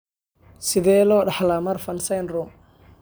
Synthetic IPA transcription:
sɪðɛːlɔːɖɑħlamɐrfɐnsɛnrʊ

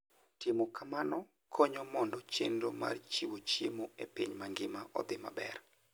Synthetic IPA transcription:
tɪmokʰamanɔ | kʰoɲɔmɔndɔt͡ʃḛndo̰ma̰rt͡ʃiwot͡ʃimoḛpiɲmaŋɡɪmaʔɔ̰d̪ɪma̰bɛ̰r

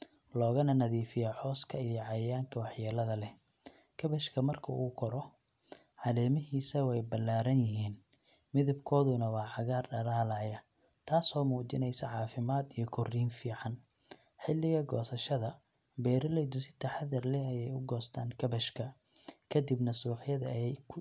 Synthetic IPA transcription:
lɔːɣɐnɐnɐðiːfɪjɐħɔːskʰɐijɔʕɑjaːŋkʰɐwɑħjaːlɐðɐlɛ | kʰɐβɛʃkʰɐmɐrkʰɐʔuːkʰɔɾɔ | ʕɑlɛːmɪɦiːsɐwɛjbɐlːaːɾɐnjɪɦiːn | mɪðɐbkʰɔːðʊnɐwɑːʕɑɣaːrɖɐlaːlaːjɐ | t̪ʰaːsɔːmuːt͡ʃɪnɛjsɐʕɑːfɪmaːd̪ijɔkʰɔriːnfiːʕɑn | ħɪlːɪɣɐɡɔːsɐʃɐðɐ | bɛːɾɐlɛjd̪ʊsɪt̪ʰɐħɑðɐrlɛɐjɛjʊɡɔːst̪ʰaːŋkʰɐbɐʃkʰɐ | kʰɐd̪ɪbnɐsuːħjɐðɐɛkʰ

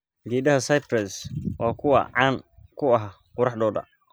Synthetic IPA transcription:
ɡiːdɐɦɐsajpʰɾɛswɑːkʰʊwɑ̰ʕɑːŋkʰʊɐɦa | qʊɾɑħɖ̪ɔːd̪ɐ̰

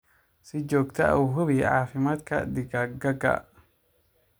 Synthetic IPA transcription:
sɪd͡ʒoːkt̪ʰɐʔɐ̰wɦʊβiʕaːfɪmaːd̪kʰɐ̰d̪ɪɡɐɡɐɡɐ̰

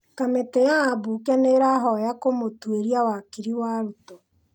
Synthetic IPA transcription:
kametejaːbuːkɛneɾaɦɔjakomotweɾiawakiɾiwaːɾuto

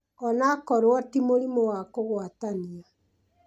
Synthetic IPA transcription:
ɔnakɔɾwɔtimoɾimowakoɣwatania

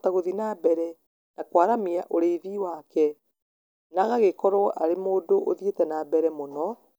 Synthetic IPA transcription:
taɣoðinabɛɾɛ | nakwaɾamiaʔoɾeiðiwaːkɛ | naɣaɣekɔɾɔʔaɾemoːdoʔo̰ðietɛnabɛɾɛmonɔ

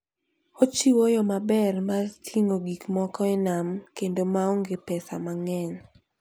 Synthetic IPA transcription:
ot͡ʃiwojɔmabɛrmatʰiŋoɡikmɔkɔɛnamkendomaoŋɡepɛsa̰maŋɛn

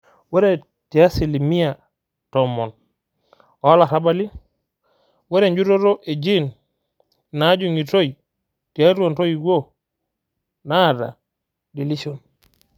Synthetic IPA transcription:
wɛɾɛ | tijasilimija | tɔmɔn | ɔalaɾabali | wɛɾɛɲd͡ʒuɾɔɾɔʔed͡ʒinː | ad͡ʒuŋitoj | tijatuɔntojiɡo | nada̰ | dilisɔn

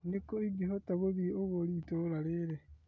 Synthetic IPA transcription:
nikoiɡiɦotaɣoβioɣolitolaɾeɾe

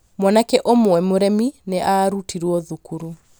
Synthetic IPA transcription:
mwɔnakɛʔomoɛmoɾɛmineʔaɾutiɾuɔðukuɾu

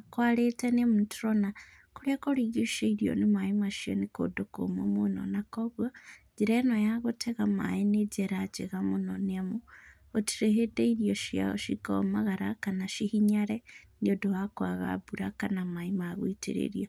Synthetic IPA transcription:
kwaletenemutuɾona | kuɾakoɾiɡiʃeiɾjo̰nimaimaʃio̰niko̰doko̰momuno̰nakoβwad͡ʒiɾenojaɣotʰeɣama̰ineɟeɾat͡ʃeɣamunonemu | otiɾehedeiɾjoʃia̰o̰ʃikaomaɣaɾakanaʃihiɲaɾeniodowakwaβa̰buɾakanamaimaβwitḭɾḛɾjo

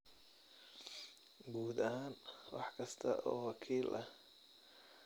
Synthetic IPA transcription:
ɡuːd̪ɐhaːnwɑħkʰɐst̪ʰɐ̰ʔɔːwɑkʰiːlʔɐ

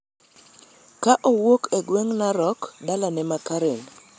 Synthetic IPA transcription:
kaʔɔwokeɡweŋnaɾɔkdalanɛmakaɾen

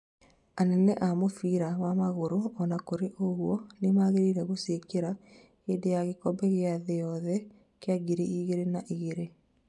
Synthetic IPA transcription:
anɛnɛʔamofiɾawamaɣoɾoɔnakoɾeʔoɣwɔnemaɣeɾiɾɛɣosekeɾa | keːdejaɣekɔbɛɣeaðejɔðɛ | keaɡiɾeiɣeɾenaʔiɣeɾe

